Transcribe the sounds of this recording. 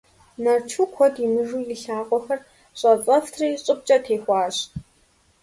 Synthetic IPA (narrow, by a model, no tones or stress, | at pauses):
nɐrt͡ʃʰukʷʰɔdimɨʒuːjɪɬaːqʷʼɔxɐr | ɕʷʼɐt͡sʼɐftʰriːɕʼɨp̚t͡ʃʼɐtʰeːxʷɑːɕtʰʼ